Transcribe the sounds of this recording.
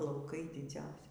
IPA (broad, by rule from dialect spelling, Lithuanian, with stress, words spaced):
lˠɐʊˈkɐɪ dʲɪˈd͡zɐʊsʲɪ